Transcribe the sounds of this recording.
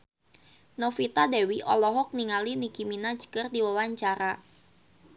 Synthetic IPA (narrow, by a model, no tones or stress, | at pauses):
nofit̪adɛwiʔɔ̰lɔɦɔk̚niŋalinikiminad͡ʒə̥kərdiwawaɲt͡ʃaɾa